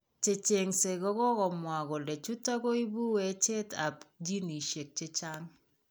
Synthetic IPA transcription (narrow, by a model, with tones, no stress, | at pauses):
t͡ʃe˨t͡ʃe˨ŋse˨ɡɔ˦ɡɔ˦kɔ˨mwa˨ɡɔ˨le˨t͡ʃu˦tɔ˦ɡo˦i˦bu˦we˨˦t͡ʃe˦ta˨pd͡ʒi˦ni˨ʃe˨k̚t͡ʃe˦t͡ʃa˦ŋ